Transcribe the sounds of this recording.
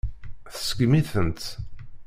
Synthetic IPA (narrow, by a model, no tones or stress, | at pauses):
θə̥sɡmiθənt̪